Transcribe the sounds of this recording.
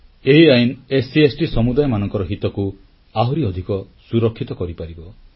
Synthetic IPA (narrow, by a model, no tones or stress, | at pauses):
eɦiajinesiesʈisɔmud̪ajɔmanɔŋkɔɾɔɦit̪ɔku | aɦɔɾiɔd̪ʱikɔ | suɾɔkʰːit̪ɔkɔɾipaɾibɔ